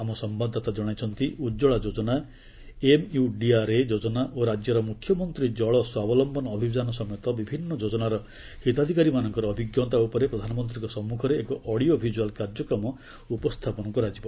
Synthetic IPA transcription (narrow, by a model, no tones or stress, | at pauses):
amɔsɔmbad̪ʱːat̪ad͡ʒɔɽ̃ajt͡ʃʰɔnt̪iʔud͡ʒɔɭad͡ʒod͡ʒɔna | emjuɖiaɾed͡ʒod͡ʒɔnaʔoɾad͡ʒjɔɾɔmukʰːjɔmɔnt̪ɾid͡ʒɔɭɔswabɔlɔmbɔnɔːbʱibd̪anɔsɔmɔjɔt̪ɔbibʱinːɔd͡ʒod͡ʒɔnaɾɔ | hit̪ad̪ʱikaɾimanɔŋkɔɾɔːbʱiɡjɔt̪aupɔɾepɾɔd̪ʱanɔmɔnt̪ɾikɔsɔmːukʰɔɾeːkɔʔɔɽiobʱid͡ʒualkaɾd͡ʒɔkɾɔmɔ | upɔst̪ʰapɔnɔkuɾad͡ʒipɔ